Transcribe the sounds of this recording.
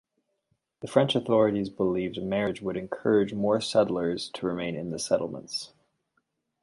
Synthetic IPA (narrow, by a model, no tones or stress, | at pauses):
ðɨfɹɛ̃nt͡ʃɨθɔɹɨɾizbəlivmɛɹɨd͡ʒwəɾɨ̃nkʰɜ˞ɨd͡ʒmɔɹsɛdl̩ˠə˞z̥tʰəɹɨmẽɪ̃nɨ̰̃nðɨsɛɾl̩ˠmə̰̃nts